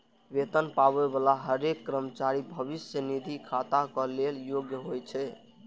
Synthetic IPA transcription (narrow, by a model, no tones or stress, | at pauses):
ʋet̪ənpaβebalaɦəɾekːɾəmət͡ʃaɾibʱəβisjənid̪ʱikʰat̪akəleljoɡjəɦojt͡ʃʰɛ